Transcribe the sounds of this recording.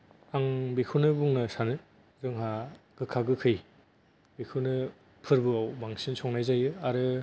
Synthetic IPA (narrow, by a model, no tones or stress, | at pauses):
aŋbekʰunɯbuŋnɯsanɯ | ɾɯŋɦaɡ̥ɯkʰaɡɯkʰɯj | bikʰɯnɯ | pʰɯɾbɯawbaŋsinsʰɔŋnajzajɯaɾɯ